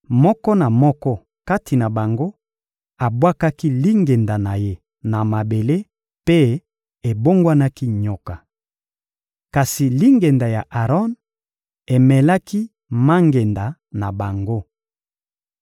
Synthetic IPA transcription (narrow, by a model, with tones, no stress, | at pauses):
mɔ˦kɔ˦na˨mɔ˦kɔ˦ | ka˦tʰi˨na˨ba˨ŋɡo˦ | a˨bwa˦ka˦ki˦li˦ŋɡe˨nda˨na˨je˦ | na˨ma˨be˨le˦ | pe˦ | e˨bo˦ŋɡwa˦na˦ki˦ɲɔ˨ka˨ | ka˨si˨li˦ŋɡe˨nda˨ja˨ʔa˨ʁɔ˦n | e˨mɛ˨la˦ki˦ | ma˦ŋɡe˨nda˨na˨ba˨ŋɡo˦